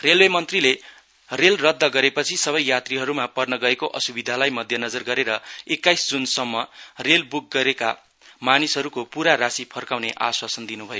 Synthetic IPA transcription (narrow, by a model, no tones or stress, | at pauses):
relwemʌnt̪rile | relrʌd̪ʱːʌɡʌɾepʌt͡sʰisʌβʌjjat̪riɦʌɾumapʌrnʌɡʌekoʔʌsubid̪ʱalajmʌd̪ʱjʌnʌd͡zʌrɡʌɾeɾʌekːajsd͡zunsʌmːʌrelbuk̚ɡʌɾeka̰ | manisɦʌɾukopuɾaɾasipʰʌrkawneʔaswasʌnd̪inubʱʌjo